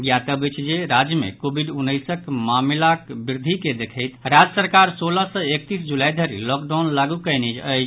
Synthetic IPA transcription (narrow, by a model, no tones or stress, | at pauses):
ɡjat̪əbət͡ʃʰd͡ʒeɾad͡ʒjəmḛkobʱiɖunːəjsəkmamlakbiɾd̪ʱiked̪ekʰəɪt̪ɾad͡ʒəsəɾkaɾsoləsə̃ek̚t̪isd͡ʒulajd̪ʱəɾḭlɔkɖaʊnlaɡukəjnid͡ʒəjt͡ʃ